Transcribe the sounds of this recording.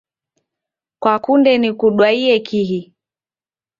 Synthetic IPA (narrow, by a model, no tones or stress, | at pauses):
kwakundɛnikuɗwaiɛkʰiɦi